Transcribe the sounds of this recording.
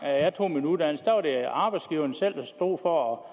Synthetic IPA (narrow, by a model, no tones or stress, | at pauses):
jɑ̈ɪt͡sʰo̝̰ːminud̥ænəsd̥æʋɑ̈ɾ̥e̝ɑ̈ːb̥ɑ̈ɪdsɡ̥iːʊɐnəsel̰d̥æsd̥o̝̰ːfɒɒ